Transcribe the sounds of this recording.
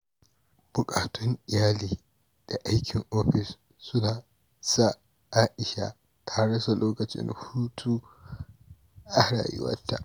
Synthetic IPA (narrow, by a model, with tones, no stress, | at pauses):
b̥ʊ˨kʼaː˨tʰɔ˦ŋʔɪ˨jaː˦liː˨ | d̥a˨ʔa˦jkʲʰɪ˨ŋʔoː˦ɸɪ˨s | sʊ˦naː˨ | saː˦ | ʔaː˦ʔɪ˨ʃa̰˦ | tʰa˦ɽɐ˦sa˨loː˦kɐ˨t͡ʃɪ̰˦nhuː˦tʰuː˦ | ʔa˦ɽa̰ː˨jɪ̰˦wɐ̰˦tːa̰˦˨